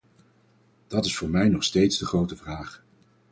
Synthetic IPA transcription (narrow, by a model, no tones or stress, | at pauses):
d̥ɑtɪsfʊːɹmɛjnɔχstejtzdəχrowtəvraːχ